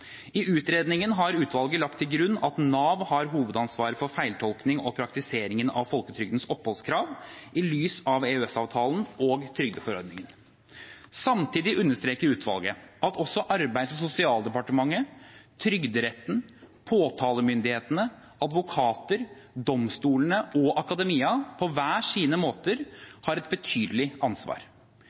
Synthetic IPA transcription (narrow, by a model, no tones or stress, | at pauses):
ɪʔʉːt̪ɾeːd̪nɪŋənɦɑɾʉːt̪ʰʋɑlɡəlɑk̚t̪ʰːɪlɡɾʉnːɑt̪nɑːʋhɑɾɦuːʋəd̪ɑnsʋɑːɾəfɔɾfæɪlt̪ʰɔlknɪŋɔpʰɾɑk̚t̪ɪseːɾɪŋənɑ̰ʋfɔlkət̪ʰɾʏɡd̪ən̩sɔpːhɔlskʰɾɑːʋʔɪlyːsɑʋeːʉɛsɑːʋt̪ʰɑːlnɔɡt̪ʰɾʏɡd̪əfɔɾɔɾd̪nɪŋən | sɑmt̪ʰiːd̪ɪʔʉnːəʂt̪ɾeːkəɾʉːt̪ʰʋɑ̰lˠɡəʔɑt̪ɔsːɔʔɑɾbæɪd̪sɔsʊsɪɑːlˠd̪ɛpɑʈəmɑŋːət̪ʰɾʏɡd̪əɾɛt̪ːn̩pʰoːt̪ʰɑːləmʏnd̪ɪheːt̪ənə | ʔɑd̪ʋʊkʰɑːt̪əɾd̪ɔmst̪uːlənəʔɔʔɑkɑd̪ɛmiːɑpʰɔʋæːʂiːnəmoːt̪əɾhɑɾɛt̪̚bət̪ʰyːd̪əlɪʔɑnsʋɑ̰ːɾ